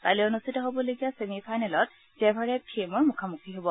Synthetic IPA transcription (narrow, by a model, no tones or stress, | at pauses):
palionustʰitɔɦobɔlojɡijasemipʰajnɛlɔt̚ | zɛbʱaɹɛpʰiemɔɹmukʰamukʰiɦobɔ